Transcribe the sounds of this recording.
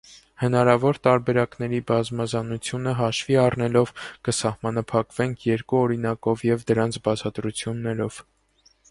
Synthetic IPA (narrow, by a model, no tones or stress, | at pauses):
hənɑɾɑvɔɾt̪ɑɾbɛɾɑknɛɾibɑzmɑzɑnut͡sʰjunəɦɑʃviɑrnɛlɔvkəsɑhmɑnɑpʰɑkv̥ɛŋkʰjɛɾkuɔɾinɑkɔvjɛvd̪əɾɑnt͡sʰbɑt͡sʰɑt̪ɾut͡sʰjunːɛɾɔv̥